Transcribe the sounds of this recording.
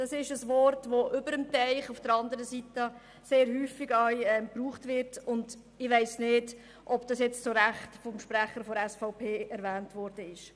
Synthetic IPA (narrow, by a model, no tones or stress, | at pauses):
d̥ɑsɪʃəsʋɔrtʋoʔʏbəɾəmtɛɪχufd̥əɾɑndəɾəsitə | seːɾɦyːfɪɡœʏɛmpruːχtʋɪɾtʊnd | ɪʋæɪsneːd | ʔɔbd̥ɑsjɛt͡st͡soɾæχtfɔmʃpɾæχəɾfɔɾɛsfaʊpʰeːɛɾvæːntʋɔɾd̥əɪʃ